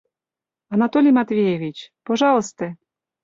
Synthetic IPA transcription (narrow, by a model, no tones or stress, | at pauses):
ɐnat̪olʲijmat̪vʲejevʲit͡ɕpoʒɑlˠəst̪ə